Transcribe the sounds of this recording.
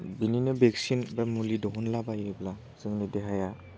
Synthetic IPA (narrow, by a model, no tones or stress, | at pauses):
bininɯbeksinbamulidɔɦɔnlabajɾebla | z̥ɯŋnideɦaja